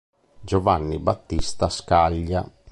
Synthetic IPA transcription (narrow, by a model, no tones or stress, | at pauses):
d͡ʒovanːibat̪ːist̪askaʎːa